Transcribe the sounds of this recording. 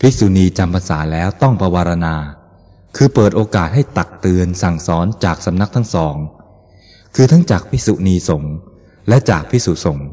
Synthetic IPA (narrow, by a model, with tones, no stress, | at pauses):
pʰi˦˥su˨˩˦niː˧t͡ɕa˧mpʰa˧nsaː˩˦lɛː˦˥wt̪ɔ˥˩ŋpʰa˧waː˧ɾa˧naː˧ | kʰɯː˧pɤː˨˩t̪̚ʔoː˧kaː˨˩t̪̚ha˥˩jt̪a˨˩k̚t̪ɯ˧ənsa˨˩ŋsɔː˦˥nt͡ɕaː˨˩k̚sa˨˦mna˦˥k̚t̪ʰa˦˥ŋsɔː˩˦ŋ | kʰɯː˧t̪ʰa˦˥ŋt͡ɕaː˨˩k̚pʰi˦˥su˨˩niː˧so˩˦ŋ | lɛ˦˥ʔt͡ɕaː˨˩k̚pʰi˦˥su˨˩so˩˦ŋ